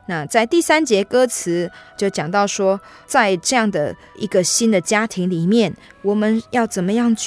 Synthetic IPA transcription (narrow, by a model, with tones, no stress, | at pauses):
na˥˨t͡sa˥˧ɪt̪i˥˨˩sa˥nt͡ɕjɛ˧˥kɤ˥t͡sʰɹ̩˧˥t͡ɕjo˥˩ʊt͡ɕjɑ˨˩ŋt̪ɑ˥˩ʊʂwɔ˥ | t͡sa˥˧ɪʈ͡ʂɤ˥˧jɑ˥˩ŋd̪ə˩ | i˧˥ɡə˨ɕi˥nd̪ə˨t͡ɕja˥t̪ʰi˧˦˥ŋli˨˩mjɛ˥˩nwɔ˨˩mə˧˦njɑ˥˩ʊt͡sə˨˩nmə˦jɑ˥˧ŋt͡ɕ